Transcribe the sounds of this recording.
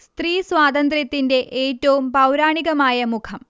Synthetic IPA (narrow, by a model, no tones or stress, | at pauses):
st̪riːswaːd̪ɐnd̪rjɐt̪ːinde̞ʔeːtːɐʋumpɐwɾaːɳiɣɐmaːjɐmukʰɐm